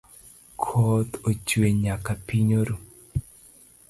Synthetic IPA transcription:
kʰɔt̪ot͡ʃweɲakapiɲoɾu

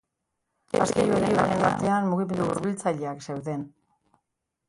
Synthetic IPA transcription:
a̰skejueɾejueɾenaɾt̪e̞anmuɣ̞ime̞nd̪uṵɾβilt͡saʎe̞akse̞wðe̞n

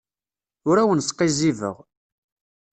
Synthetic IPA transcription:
ʊɾæwənsqːizivə̰ʁ

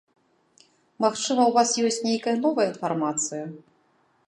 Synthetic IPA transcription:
maxt͡ʂɨmɐwvasjɔsʲt͡sʲnʲejkɐjɐnɔvɐjɐinfarmat̪sɨjɐ

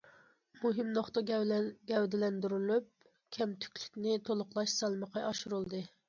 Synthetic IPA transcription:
muɦɪmnoχt̪əɡʲɛwd̪ɪlɛnd̪yɾylyp̚ | kʲʰɛmt̪ʰy̥kʲly̥kʲnɪt̪ʰolˠʊqlˠɑʃsɑlˠməqʰɑjɑʃuɾulˠd̪ɨ

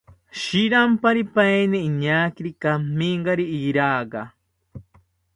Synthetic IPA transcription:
ʃiɾampaɾipajniːɲaːkiɾikamːiŋɡaɾiiɾaːɡa

